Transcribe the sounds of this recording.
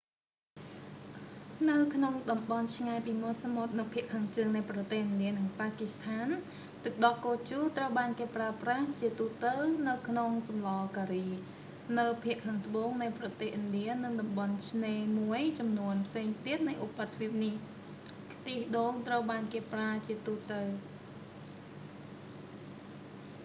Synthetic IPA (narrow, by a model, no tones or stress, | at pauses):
nɨwkʰnoŋɗɑmɓɑnt͡ɕʰŋaɛpiːmŏət̪samot̪̚nɨwpʰiəʔkʰːaːŋt͡ɕəːŋnɨjprɑt̪eːhʔɨnɗiənɨŋpaːkist̪ʰaːn | t̪ɨk̚ɗɑlkoːt͡ɕuːt̪rəwɓaːnkeːpraəpraht͡ɕiət̪uːt̪ɨwnɨwkʰnoŋsɑmlɑːkaːriː | nɨwpʰiəʔkʰaːŋt̪ə̆ɓoːŋnɨjprɑt̪eːhʔɨnɗiənɨŋɗɑmɓɑnt͡ɕʰneːmuəjt͡ɕɑmnuənpʰseːŋt̪iət̪̚nɨjʔupːat̪ʰːpʰiəp̚nih | kt̪iːhɗoːŋt̪rəwɓaːnkeːpraət͡ɕiət̪uːt̪ɨw